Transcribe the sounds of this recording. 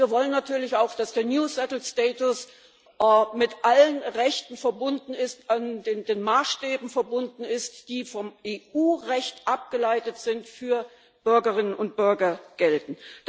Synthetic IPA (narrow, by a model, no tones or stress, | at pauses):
iːɐvɔlənːatʰyːɐlɪçaʊxd̥asd̥eːɐnjuːsɛtl̩stɛːtʊs | mɪtʔalənʁɛçtn̩fɛɐbʊndn̩ɪstandendeːnmaːsʃtɛːbm̩fɛɐbʊndn̩ɪstd̥iːfɔmʔeːʔuːʁɛçtʔap̚ɡ̥əlaɪtətz̥ɪntfyːɐ | b̥ʏɐɡɐʁɪnənʊnt̚b̥ʏɐɡɐɡ̥ɛltn̩